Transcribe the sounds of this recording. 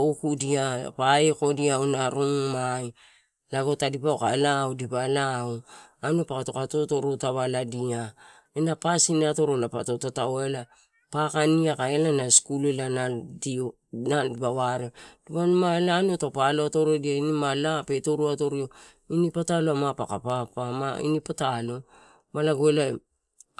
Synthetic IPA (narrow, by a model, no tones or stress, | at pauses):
ukudia̰paeko̞diawnaɾuŋmaj | laɡo̞tadipaoka̰lawdipalaoanupakatokatoto̞ɾotaβaladia | enapasiniato̞ɾolapa̰totataoela | pakaniakaelanaskulelanadi | nandipaβaɾed̥ipanumaelaːnotapaloato̞ɾodiainimalape̞to̞ɾuato̞ɾio̞ | inipataloamapakapapama̰ḭnipatalo̞ | malaɡoela